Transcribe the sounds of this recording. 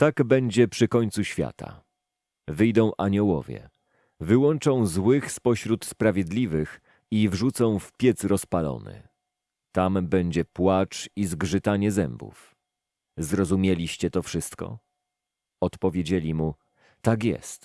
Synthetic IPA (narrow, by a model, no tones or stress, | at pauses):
t̪aɡbɛɲd͡ʑɛpʂɘkɔɲt̪suɕfʲja̰t̪a̰ | vɘjd̪ɔ̃w̃ʔaɲɔwɔ̰vʲjɛ̰ | vɘwɔnt͡ʂɔ̃w̃zwɘxspɔɕɾut̪spɾavʲjɛd̪lʲivɘx | ivʐut̪sɔ̃w̃fpʲjɛt̪sɾɔspalɔ̰nɘ̰ | t̪ambɛɲd͡ʑɛpwat͡ʂizɡʐɘt̪aɲɛzɛmbṵf | zɾɔzumʲjelʲiɕt͡ɕɛt̪ɔfʂɘst̪kɔ̰ | ɔt̪pɔvʲjed͡ʑelʲimu | t̪akʲjɛ̰st̪